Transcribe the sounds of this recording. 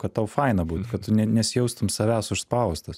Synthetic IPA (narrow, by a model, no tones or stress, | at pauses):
kɐt̪t̪ɐʊfɐɪnɐbuːt̪ʊkɐt̪̚t̪ʊnʲɛnʲɛsʲjɛʊst̪ʊmsɐʋʲæːsʊʃspɐʊst̪ɐs